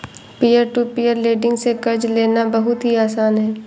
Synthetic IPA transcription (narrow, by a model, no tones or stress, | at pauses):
piːəɾʈuːpijəɾleːɖɪ̃ŋɡsekɐɾd͡ʒleːnabɐɦʊt̪ɦiaːsaːnɦɛː